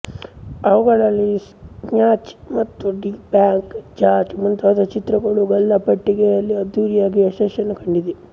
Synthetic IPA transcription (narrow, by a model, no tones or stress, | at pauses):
ɐʋuɡɐɭɐlːi | ɲaːt͡ʃmɐt̪ːuɖibjaːŋkd͡ʒaːɾd͡ʒmunt̪aːd̪ɐt͡ʃit̪ɾɐɡɐɭuɡɐlːɐpɐʈːiɡejɐlːiɐd̪uːɾijaːɡiɐʃɐʃɐnɐkɐɳɖid̪e